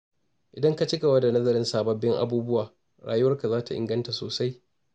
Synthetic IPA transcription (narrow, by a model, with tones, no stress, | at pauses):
ʔɪ˨dɐ˦ŋka˦t͡ʃɪ˦ka˨wɐ˦da˨nɐ˦zɐ˨ɾɪ˦nsaː˨bɐ˨˦bːɪ˦ŋʔa̰˦buː˦bʊ˦waː˨ | ɽa̰ː˨jʊ˦wɐ˦rka˨zaː˦ta˨ʔɪ˨ŋɡɐ˦nta˨soː˨sa˦j